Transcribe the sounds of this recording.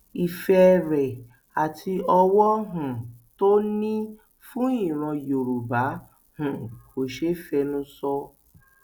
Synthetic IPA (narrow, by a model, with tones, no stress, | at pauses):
i˨fɛ˧ɾɛ˨ | a˨tʰi˧ɔ˧wɔ˦ɦũ˨to˦nĩ˦ | fũ˦i˦˨ɾ̃ã˧jo˨ɾu˨ba˨˦ | hũ˨ko˨ʃe˦fɛ˧nũ˦sɔ˧